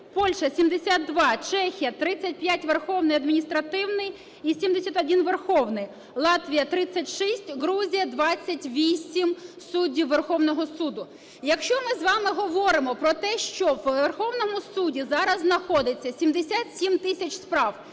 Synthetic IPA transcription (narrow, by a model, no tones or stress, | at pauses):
pɔlʲʃɐsʲimd̪esʲat̪d̪ʋɑt͡ʃɛxʲijɐt̪ɾɪt͡sʲːɐt̚ʲpʲjatʲʋerxɔwnɪjɐd̪mʲinʲist̪ɾɐt̪ɪwnɪj | isʲimd̪esʲat̪ɔdʲinʋerxɔwnɪj | lˠɑt̪ʋʲijɐt̪ɾɪt͡sʲːɐtʲʃisʲtʲɦɾuzʲijɐd̪ʋɑt͡sʲːɐtʲʋʲisʲimsudʲiwːerxɔwnɔɦɔsud̪ʊ | jɐkʃt͡ʃɔmɪzʋɑmɪɦɔʋɔɾɪmɔpɾɔt̪ɛʃt͡ʃɔwʋerxɔwnɔmʊsudʲizɑɾɐznɐxɔd̪ɪt͡sʲːɐsʲimd̪esʲat̪sʲimt̪ɪsʲɐt͡ʃspɾɑw